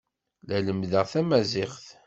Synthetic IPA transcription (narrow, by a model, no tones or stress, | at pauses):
læləmðəʁθæmæzɪχθ